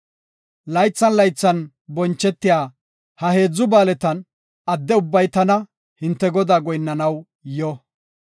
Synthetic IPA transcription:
lɐjt͡sːɐnlɐjt͡sːɐn | bɔnt͡ʃːɛt̪ːɪjaː | hɐhe̞ːd͡zːʊbaːlɛt̪ɐn | ɐd̪ːɛʊbːɐjt̪ɐnɐ | hɪnt̪ːɛɡɔd̪aːɡɔjnːɐnɐw | jɔ

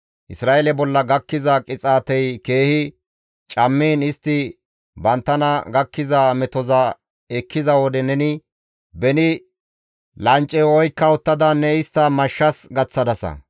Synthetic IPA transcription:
ʔɪsɾaːelɛbɔlːɐɡɐkːɪzɐkʼɪt͡sʼaːt̪ɛjke̞ːhɪ | t͡ʃʼɐmːiːnɪst̪ːɪ | bɐnt̪ːɐnɐɡɐkːɪzamɛt̪ɔzɐ | ɛkːɪzɐwɔd̪ɛnɛnɪ | bɛnɪ | lɐnt͡ʃʼːɛwɔjkːɐʊt̪ːɐd̪ɐnːɛɪst̪ːɐmɐʃːɐsɡɐt͡sːɐd̪ɐsɐ̰

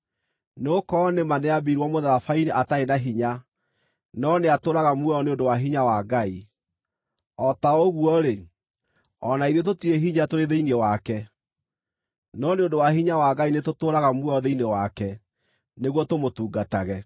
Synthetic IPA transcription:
neokɔnemanɛabiɾwɔmoðaɾafaineʔataenaɦiɲa | nɔneatoːɾaɣamwɛɔneondowaɦiɲawaɡai | ɔtaoɣwɔɾe | ɔnaiðet̬otiɾeɦiɲatoɾeðeinɛwakɛ | nɔneondowaɦiɲawaɡainetotoːɾaɣamwɛɔðeinewakɛ | neɣwɔtomotuːɡataɣɛ

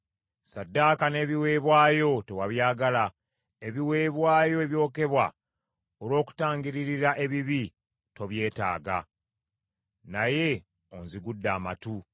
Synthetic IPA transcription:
sadːaːkane̞ːβiwe̞ːβwaːjo̞te̞waβjaːɡala | e̞βiwe̞ːβwaːjo̞eβjo̞ːke̞βwa | olwo̞ːku̥taːŋɡiɾiɾiɾaʔe̞βiβi | to̞βje̞ːta̰ːɡa̰ | naje̞ | onziɡudːaːmatu

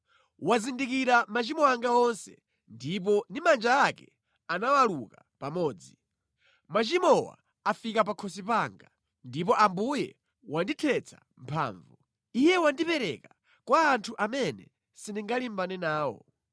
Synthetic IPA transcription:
wazindikiɾamat͡ʃimɔaŋɡaɔnsɛ̰ | ndip̬ɔnimand͡ʒaːkɛ | anawaluka | pamɔːd͡zi | mat͡ʃimɔwa̰ː | fikap̬akʰɔsipaːŋɡa | ndipɔʔambujɛ̰ | wanditʰɛt͡sʰa̰ | m̩pʰa̰ːɱvu | ijɛwandipɛɾɛ̰ka | kwaːntʰuʔamɛnɛ̰ | siniŋɡalimbanɛnaːwɔ̰

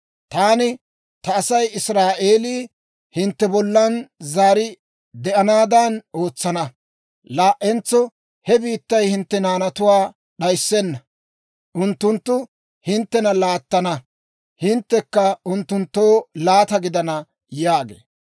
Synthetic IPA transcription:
t̪aːnɪ | t̪ɐːsɐjɪsɾaːʔeːliː | hɪnt̪ːɛbɔlːɐnzaːɾɪ | d̪ɛʔɐnaːd̪ɐnʔo̞ːt͡sːɐnɐ | laːʔɛnt͡sːɔ | hɛbiːt̪ːɐjhɪnt̪ːɛnaːnɐt̪ʊwaː | ɗɐjsːɛnːɐ | ʔʊnt̪ːʊnt̪ːʊ | hɪnt̪ːɛnɐlaːt̪ːɐnɐ | hɪnt̪ːɛkːɐʊnt̪ːʊnt̪ːo̞ːlaːt̪ɐɡɪd̪ɐnɐ | jaːɡḛː

